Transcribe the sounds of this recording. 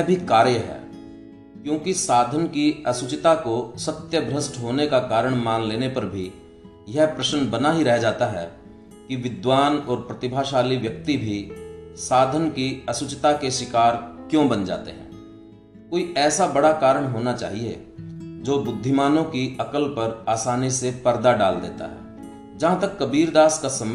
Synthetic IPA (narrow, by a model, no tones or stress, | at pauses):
jbʱikaːɾjəɦɛ̰ː | kjõːkisaːd̪ʱənkiɐsʊt͡ʃɪt̪akosət̪jəbʱɾəsʈɦoːnekakaːɾəɽ̃maːnleːnepɐɾbʱi | jɛɦpɾəʃənbənaɦiɾɛɦd͡ʒaːt̪aɦɛ̰ | kiʋɪd̪waːnɔːɾpɾɐt̪ɪbʱaːʃaːliʋjək̚t̪ibʱisaːd̪ʱənkiəsʊt͡ʃt̪akeʃɪkaːɾkjõːbənd͡ʒa̰ːt̪eɦɛ̰̃ː | koːiʔɛːsabɐɽakaːɾəɽ̃ɦoːnat͡ʃa̰ːɦiḛd͡ʒoːbʊd̪ʱːɪmaːnõkiɐkəlpɐɾaːsaːnisepəɾd̪aɖa̰ːld̪ḛːt̪a̰ɦɛ̰ː | d͡ʒɐɦãt̪ɐkːɐbiːɾd̪aːskasəm